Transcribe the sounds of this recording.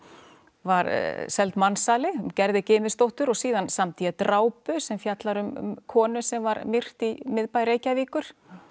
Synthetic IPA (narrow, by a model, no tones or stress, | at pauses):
vaɾsɛlt̪mansaːlɪcɛɾðɪcɪːmɪst̪owht̪ʏɾɔɣsiːðansamt̪ʰiːjɛt̪ɾaːwpʏsɛmfjat̪laɾʏm̰kʰɔːnʏsɛmvaɾmɪr̥t̪imɪðpajɾeːjcaviːkʏɾ̥